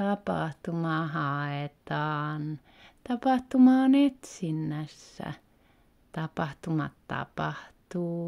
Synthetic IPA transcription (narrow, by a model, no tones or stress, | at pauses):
ɑpɑ̰ht̪umɑhɑet̪ɑːn | t̪ɑpɑht̪umɑːnet̪sinːæsːæ̰ | t̪ɑpɑht̪umɑt̪t̪ɑ̰pɑht̪uː